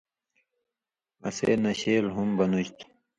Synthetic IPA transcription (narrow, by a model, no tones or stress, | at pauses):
ɐ̰sḛːnɐɕeːlɦumbɐnuɕt̪ʰ